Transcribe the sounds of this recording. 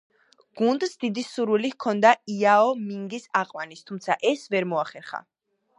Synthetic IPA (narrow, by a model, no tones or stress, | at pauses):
ɡ̥und̪sd̪id̪isuɾwilikʰɔnd̪aiaɔmiŋɡisaqʼwanist̪ʰumt̪sʰaʔɛsvɛɾmɔaχɛɾχa̰